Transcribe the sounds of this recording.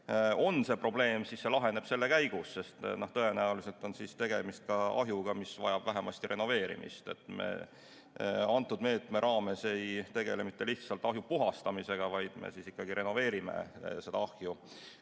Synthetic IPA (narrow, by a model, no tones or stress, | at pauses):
o̞nse̞pro̞ble̞ːmsisːe̞lɑɦe̞ne̞b̥se̞lːe̞kæjɡ̥usːe̞st̪noht̪ɤe̞næulise̞lt̪ˑo̞nsist̪eɡ̥e̞mist̪̚kɑɑ̰ɦjuɡɑmisvɑ̰jɑb̥væɦemɑst̪iɾe̞no̞ve̞ːɾḭmʔḭst̪e̞̰t̪ːˑmḛ | ɑnt̪ːˑud̪me̞ːt̪ˑme̞ɾʔɑːme̞se̞jt̪e̞ɡ̥e̞lemit̪ːe̞liht̪sɑlt̪ːˑɑɦjupuɦɑst̪ɑmise̞ɡ̥ɑvɑjd̪̥mḛsisikːɑɡiɾe̞no̞ve̞ːɾime̞̰se̞d̪̥ɑɑhju